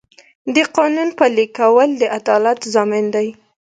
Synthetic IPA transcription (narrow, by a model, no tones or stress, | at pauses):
d̪əqɑnunpəlikawəld̪əʔad̪ɑlat̪zɑmɪnd̪aj